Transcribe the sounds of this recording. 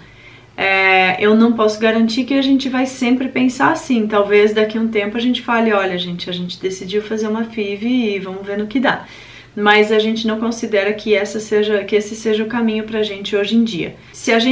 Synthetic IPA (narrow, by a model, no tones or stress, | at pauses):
ɛewnɐ̃w̃pɔsʊɡaɾɐ̃nt͡ʃikɪaʒẽnt͡ʃɪvajsẽmpɾɪpẽsaɾasĩt̪awvezd̪akiɐũt̪ẽmpʊɐʒẽnt͡ʃɪ̥falɪɔʎɐʒẽnt͡ʃɪɐʒẽnt͡ʃɪd̪esid͡ʒiwfazeɾũmɐfivɪɪvɐ̃mʊzveɾnʊkɪd̪a | mɐzaʒẽnt͡ʃɪnɐ̃w̃kõsid̪ɛɾɐkɪɛsɐseʒɐkɪesɪseʒɐʊkamĩɲʊpɾɐaʒẽnt͡ʃɪoʒẽj̃d͡ʒiɐ̰ | sɪaʒẽ